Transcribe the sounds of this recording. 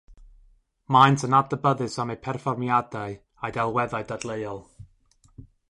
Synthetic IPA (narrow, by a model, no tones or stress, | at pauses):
majntʰənab̚dəbəðɨsamejpʰɛrfɔrmjadaɨ | ajdɛlˠwɛðaɨdadlˠeɨɔlˠ